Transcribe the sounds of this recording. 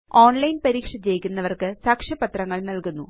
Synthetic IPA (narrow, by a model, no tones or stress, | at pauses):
oːnlɐjnpɐɾiːkʂɐt͡ɕejkʲːunːɐʋɐrkɨsaːkʂɐpɐt̪rɐŋːɐɭnɐlkunːu